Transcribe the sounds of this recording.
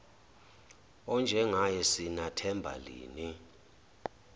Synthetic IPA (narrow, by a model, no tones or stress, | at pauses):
ɔnd͡ʒʱɛŋajɛsinatʰɛmbʱa̰lḭːni